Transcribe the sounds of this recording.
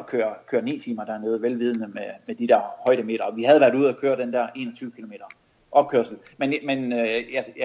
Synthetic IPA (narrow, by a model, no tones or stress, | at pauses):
b̥kʰøɐkʰøːɐnḭːt͡sʰiːmɐd̥ɑɐnɔ̽ːð̩ˠʋelʋiːð̞ˠnəmemed̥id̥ɛɐhɒ̽ɪɾ̥əme̝ːɾ̥ɐɒ̽ʋihæð̞̩ˠʋæɐɾ̥uð̰ˠækʰøːɐd̥end̥ɛɐ̰ʔe̝ːnɒt͡sʰyːʊkʰilo̝me̝̰ːd̥ɐ | ʔɒ̽b̥̚kʰøɐ̰sl̩menmenjæ